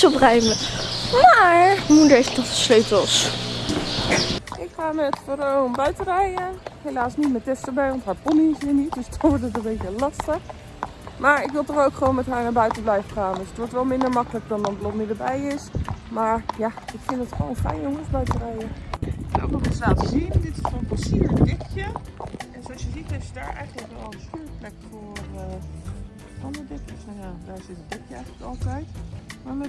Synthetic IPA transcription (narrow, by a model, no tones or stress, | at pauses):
oprɛjməmaɹmudəɪsətɔχəsleɥpəlˠs | ʔɪkχaːmɛtfərownbœɥtərɛjəhejlaːsnitmɛtɪstəɹbɛjʋɔntɦaːɹpɔnisinitdøsdɔnʋɔɹtətənbejtəlɑstəχ | maːɹɪkʋɪlˠtɔrowkχəʋoːnmɛtɦaːɹnabœɥtəblɛjvəχaːndɔsətʋɔɹtʋɛlˠmɪndəɹmɑkələk̚dɔnənblɔmɪdəbɛjɪsmaːɹjaɪkfɪndətχʋo̰ːnfrɛ̰jjoŋənsbœɥtərɛjəɛno̰kɔɪslaːtəzindɪtɪssonpəsiɹdɪkjədɪsɔsjəzitɛsədaːɹʔɛ̰jχələkʋɛlˠənstyːɹplɛkfʊːrə | fɔnədɪkjəfɔjadaɹsɪtədɪkjəɛjχləkɑlˠtɛjtmamɛ